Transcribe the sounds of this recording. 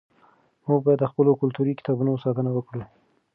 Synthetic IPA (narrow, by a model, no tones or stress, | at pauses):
muɡbɑjad̪ːəxpəlokʊlt̪uɾikɪ̥t̪ɑbunosɑt̪ənawəkɽu